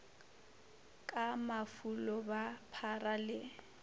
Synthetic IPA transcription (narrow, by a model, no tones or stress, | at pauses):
kʼamafulɔbapʰaralɪ